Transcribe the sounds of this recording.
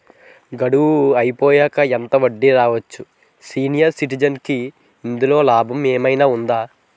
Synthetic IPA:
ɡɐɽuʋuɐjipɔːjaːkɐɛnt̪ɐʋɐɖːiɾaːʋɐt͡ʃːu | siːnijɐɾsiʈ̬id͡ʒɐnkiː | nd̪ulo̞ːlaːbʱɐmeːmɐjnaːund̪aː

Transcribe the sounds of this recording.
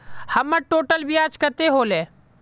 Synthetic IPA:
həməʈoːʈəlbʱiːaːt͡ʃkət̪eːɦoːleː

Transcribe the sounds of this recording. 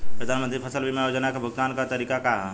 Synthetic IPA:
pɾɐd̪ʱaːnmə̃nt̪ɾipʰɐsəlbʱimaːjoːd͡ʒənakabʱʊɡt̪aːnkat̪ɐɾiːkakaɦ

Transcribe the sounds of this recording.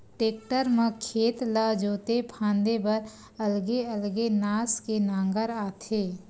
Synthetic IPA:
ʈeːk̚ʈəɾmə̃kʰeːt̪ləd͡ʒoːt̪epʰãːnd̪ebəɾ | ɐlɡeəlɡenaːskenãːŋɡəɾaːt̪ʰeː

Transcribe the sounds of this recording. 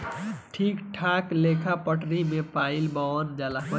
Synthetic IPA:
ʈʰiːkʈʰaːkleːkʰapəʈɾimẽpaːilband͡ʒaːlaɦo

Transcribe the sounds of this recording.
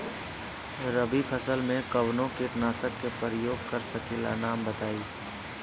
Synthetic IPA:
ɾəbipʰəsəlmẽkɐʋnõkeʈnaːsəkːepɾəjoːɡ̚kɐɾsɐkiːla̰naːmbɐt̪aːiː

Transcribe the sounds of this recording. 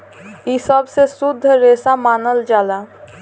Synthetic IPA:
isəbsesʊd̪ʱːɾeːsamaːnəld͡ʒaːlaː

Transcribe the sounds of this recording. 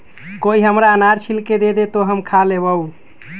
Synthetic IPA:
koiɦəmɾaənaɾt͡ʃʰilked̪ed̪et̪oɦəmkʰalebəu

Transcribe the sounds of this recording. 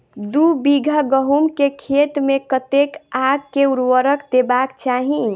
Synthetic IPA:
d̪ubiɡʱaɡəɦumkekʰet̪mekət̪ekaɡkeuɾwəɾəkd̪ebakt͡ʃaɦĩ

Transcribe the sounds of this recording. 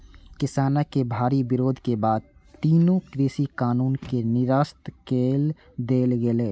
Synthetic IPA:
kɪsaːnakebʱaːɾibɪɾoːd̪ʱkebaːd̪̚t̪iːnõkɾiːsikaːnuːnkenɪɾaːst̪keːl | d̪eːlɡeleː

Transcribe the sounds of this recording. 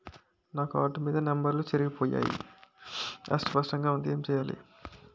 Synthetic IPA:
naːkuaːʈumiːd̪ɐnɐmbɐɾlot͡ʃɐɾuɡipoːja̰ːjḭ | ɐ̰sʈpɐʂʈɐŋɡaːund̪ieːmt͡ʃɛːjaːlḭ

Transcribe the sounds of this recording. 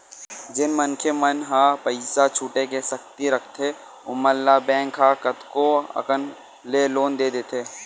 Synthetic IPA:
d͡ʒɪnmənkʰemənɦapəɪsat͡ʃʰuːʈekesɐkt̪iɾɐkʰt̪ʰe | ʊməlːabɛ̃ːŋkɦakət̪koɐ̰kən | leloːnd̪eːd̪eːt̪ʰeː

